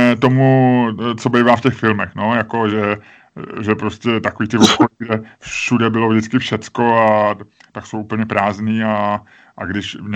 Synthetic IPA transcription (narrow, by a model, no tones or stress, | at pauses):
t̪o̞mut͡sobejvaːfcɛxfɪlmɛxno̞jako̞ʒɛ | ʒɛpɾoscɛt̪akoviːt̪ɪvokoliɡdɛfʃudɛbɪlo̞vʒdɪt͡skɪfʃɛt͡sko̞at̪akso̞wʔupəɲɛpɾaːzniːa | ʔaɡdɪʃɲ